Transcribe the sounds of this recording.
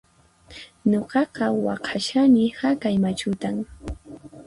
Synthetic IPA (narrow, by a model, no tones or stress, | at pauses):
ɲoqɑqɑwɑ̰qʰaʃamɪhakajmat͡ʃʊt̪aŋ